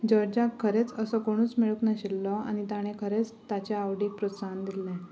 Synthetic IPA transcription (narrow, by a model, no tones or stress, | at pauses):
d͡ʑɔɾd͡ʑakʰːəɾet͡səsɔkoɽ̃uːt͡smiɭəknaɕilːɔa̰ñit̪aɽ̃ẽkʰəɾet͡st̪at͡ɕaaʋɽipɾosand̪ilːɛ̃